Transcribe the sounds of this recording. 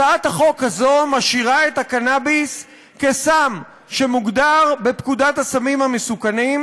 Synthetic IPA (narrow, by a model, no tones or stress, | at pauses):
aathaχo̞khazo̞maʃiʁae̞thakanabis | kesam | ʃe̞muɡdaʁbepkudathasamimhamesukanim